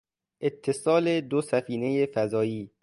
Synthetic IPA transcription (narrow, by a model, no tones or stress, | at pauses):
ʔet̪ʰːe̞sɒːled̪osæfiːne̞jefæzɒːjiː